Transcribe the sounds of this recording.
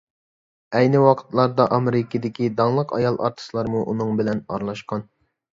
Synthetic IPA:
ɛjnɪwɑqʰə̥t̪lˠɑɾd̪ɑʔɑmeɾɪkʰʲid̪ɪkʲid̪ɑŋlˠəqɑ̰jɑlˠʔɑ̰ɾt̪ʰɨ̥slˠɑɾmuʔunɨŋbɪlɛnɑ̰ɾlˠɑʃqɑn

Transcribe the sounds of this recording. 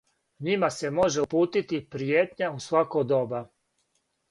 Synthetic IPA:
ɲimase̞moʒeupuːt̪it̪ipɾijeːt̪ɲausʋakod̪oba

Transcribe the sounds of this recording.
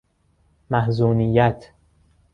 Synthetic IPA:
mæhzuːnijæt̪ʰ

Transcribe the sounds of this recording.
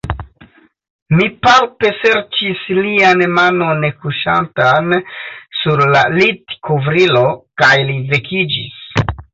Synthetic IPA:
mipalpe̞se̞ɾt͡ʃislianmano̞nːe̞kuʃa̰ntansuɾlalitkovɾilo̞kajlive̞kʰid͡ʒḭs

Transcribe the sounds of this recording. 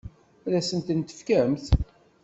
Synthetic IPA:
læsənt̪ənt̪ə̥fkæmθ

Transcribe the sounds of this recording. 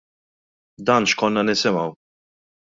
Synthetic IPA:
d̪ɐːnʃkɔnːɐnɪsɪmɐw

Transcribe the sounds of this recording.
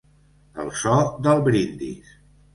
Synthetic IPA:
ə̰lˠsɔd̪əlˠβɾind̪ḭs

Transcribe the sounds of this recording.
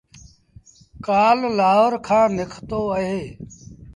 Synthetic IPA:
kaːllaːʋəɾkʰãːnɪkʰt̪oːəɦeː

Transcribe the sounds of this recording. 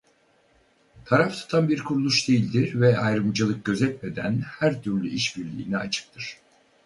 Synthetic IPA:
t̪ʰaɾaft̪ʰɯ̥t̪ʰanbiɾkʰuɾulˠuʃd̪e̞jilʲd̪iɾvɛajɾɯmd͡ʒɯlˠɯk̚ɟø̞zɛt̪med̪æ̰nhæɾt̪ʰyɾlʲyiʃbiɾlʲḭːnɛat͡ʃʰɯ̥p̚t̪ʰɯɾ̥

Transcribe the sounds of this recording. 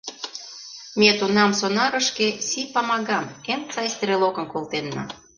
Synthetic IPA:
mʲet̪unɑmsonɑɾə̆ʃkesipɑmɑɣɑmemt͡sɑsʲt̪ɾelokə̆nkolt̪enːɑ̰

